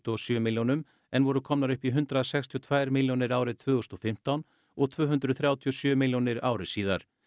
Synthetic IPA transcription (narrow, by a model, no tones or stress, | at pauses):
t̪ɔɔsjœːmɪljɔnʏm | ɛnvɔɾʏkʰɔmnaɾʏhpiɦʏnt̪ɾaðasɛkst̪ʰiɔt̪ʰvajɾmɪljɔnɪɾaːwɾɪt̪ʰvœːɣʏst̪ɔfɪm̥t̪awn | ɔɣt̪ʰv̥œːɦʏnt̪ɾʏθɾjaːwt̪ʰiɔsjœːmɪljɔnɪɾaːwɾɪsiːðaɾ̥